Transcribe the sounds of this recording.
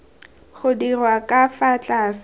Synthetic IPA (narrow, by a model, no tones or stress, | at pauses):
χʊdirwakʼafat͡ɬʼaːs